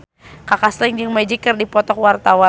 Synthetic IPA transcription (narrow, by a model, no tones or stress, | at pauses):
kakaslɪŋd͡ʒəŋmɛd͡ʒikːərdipɔt̪ɔkwart̪awa